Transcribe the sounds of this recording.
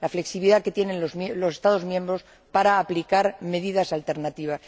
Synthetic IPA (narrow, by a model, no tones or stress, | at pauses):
lafleksiβiliðake̞t̪je̞nẽ̞nozmlo̞se̞st̪aðo̞zmjẽ̞mbɾo̞s | paɾaːplikaɾme̞ðiðasalt̪e̞ɾnat̪iβ̞as